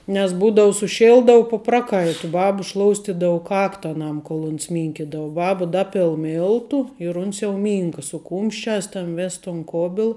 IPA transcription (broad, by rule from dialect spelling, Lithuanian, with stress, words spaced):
nʲɛs ˈbuːdɐʊ sʊˈʃʲɪlˠdɐʊ pʊ ˈprɑːˌkɐɪtʊ ˈbɑːbɐ ˈʃlˠoːʊsʲtʲɪdɐʊ ˈkɑːktɐ ɐˈnɐm koːlˠ ʊns ˈmʲiːŋʲkʲɪdɐʋɐ ˈbɑːbɐ ˈdɑːpʲɪlˠ ˈmʲɪlˠtʊ ɪr ʊns jɛʊ ˈmʲiːŋkɐ sʊ ˈkuːmʲʃʲˌt͡ʃʲæːs tɐn ˈʋʲeːs tʊn ˈkoːbʲɪlˠ